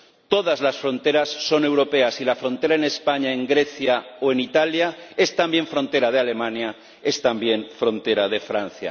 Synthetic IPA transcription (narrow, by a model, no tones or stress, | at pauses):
t̪o̞ð̞azlasfɾõ̞nt̪e̞ɾasːo̞ne̞wɾo̞pe̞asilafɾo̞nt̪e̞ɾaene̞spaɲaeŋɡɾe̞θjaoe̞nit̪aljae̞st̪ambje̞ɱfɾo̞nt̪e̞ɾað̞eale̞mãnja | e̞st̪ambje̞nfɾõ̞nt̪e̞ɾað̞e̞fɾan̟θja̰